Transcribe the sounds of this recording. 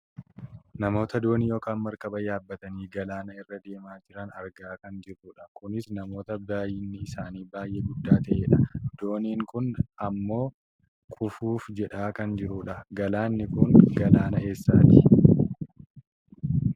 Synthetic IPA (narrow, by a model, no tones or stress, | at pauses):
nɐmo̞ːt̪ɐd̪o̞ːnijo̞ːkaːnmɐɾkɐbɐjaːbːɐt̪ɐniːɡɐlaːnɐɪrːɐd̪e̞ːmaːd͡ʒɪɾɐnɐɾɡaːkɐnd͡ʒɪɾuːᶑɐkʊnɪsnɐmo̞ːt̪ɐbaːjɪnːɪɪsaːniːbaːjʔɛɡʊd̪ːaːt̪ɐʔeːᶑɐd̪̥o̞ːniːŋkʊnɐmːo̞ː | kʼʊfuːfd͡ʒɛᶑaːkɐnd͡ʒɪɾuːᶑɐɡɐlaːnːɪkʊŋɡɐlaːnɐe̞ːsːaːt̪ɪ̥